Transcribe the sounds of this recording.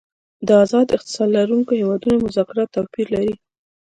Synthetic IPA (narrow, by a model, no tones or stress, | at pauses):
d̪əazɑd̪ɪxt̪ɪ̥sɑllaɾuŋkohewɑd̪unamʊzɑkɪɾɑt̪ːawpiɾlaɾi